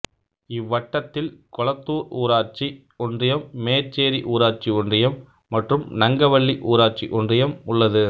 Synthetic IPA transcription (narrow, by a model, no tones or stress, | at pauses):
ɪʋːɐʈːɐt̪ːɪlkɔlɐt̪ːuːɾuːɾaːɾt͡ʃi | ɔndrɪjɐmːeːɾt͡ʃːeːɾiʔuːɾaːʈt͡ʃiɔndrɪjɐmː | ɐʈrɯmnɐŋɡɐʋɐɭːiʔuːɾaːɾt͡ʃiʔɔndrɪjɐmʊɭːɐðɯ